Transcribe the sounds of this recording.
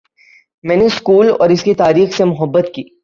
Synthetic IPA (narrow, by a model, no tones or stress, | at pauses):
mɛ̃ːneskuːlɔ̰ːɾɪskit̪aːɾiːxsemʊɦəbːət̪kiː